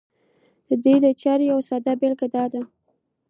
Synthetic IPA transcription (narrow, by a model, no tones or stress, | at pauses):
d̪̥əd̪ujd̪ət͡ʃɑɾjawsɑd̪abɪlkad̪ɑd̪a